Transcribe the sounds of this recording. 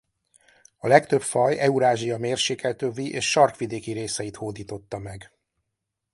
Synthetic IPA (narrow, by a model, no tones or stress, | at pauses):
ɒlɛkt̪ø̞pfɒjɛuɾaːʒijɒmeːrʃeːkɛlt̪øːviʔḛːʃʃɒrkʋid̪eːkiɾeːsɛjit̪hoːd̪iːt̪o̞t̪ːɒmɛɡ